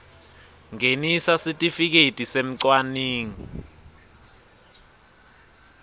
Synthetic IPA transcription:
ŋenisasitʼifik̬etʼisem̩ǀwaniːŋi

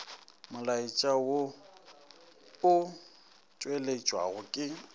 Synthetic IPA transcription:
mʊlait͡ʃʼawo | ʊ | t͡ʃʼwelet͡ʃʼwa̰ɣʊkʼɪ

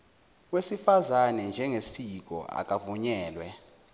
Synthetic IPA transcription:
wesifazanɛnd͡ʒʱɛŋesik̬ɔ̰a̰k̬ʼavuɲɛːlwɛ

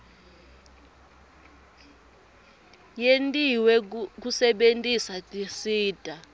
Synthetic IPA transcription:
jentʼiwɛk̬usɛɓentʼisatʼisiːdʼʱa

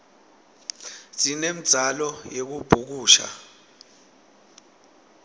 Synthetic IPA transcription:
zʼinem̩d̥z̥ʱalɔjek̬ub̥ʱuk̬uːʃa̰

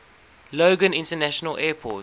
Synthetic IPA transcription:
loːɡə̃nɪ̃ntənæʃənəlʔɛːpʰɔ̰t

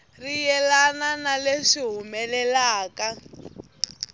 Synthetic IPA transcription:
rijɛlananaleʂiɦumɛlɛlaːka

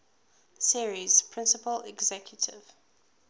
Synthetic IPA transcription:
siɹiz̥pʰɹ̥ɪ̃nsəpəlɛ̰ɡzɛkʰjutʰɪ̰v̥

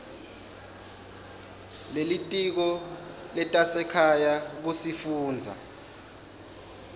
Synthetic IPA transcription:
lelitʼik̬ɔlɛtʼasɛkʰajaɓusifuːnd͡zʱa̰

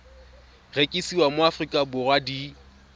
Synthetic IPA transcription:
rekʼisiwamʊafrikʼabʊrwadi

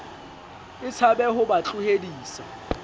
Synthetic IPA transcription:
ɪt͡sʰabɛɦʊbat͡ɬʼʊhediːsa

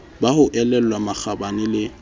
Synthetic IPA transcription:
bahʊʔɛlɛl̩wamak͡xabanɪlɪ

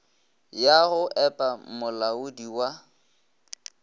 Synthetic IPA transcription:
jaɣʊʔɛpʼamʊlaʊdiwa

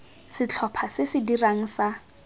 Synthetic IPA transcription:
sɪt͡ɬʰɔpʰasɪsɪdiraŋ̩sa

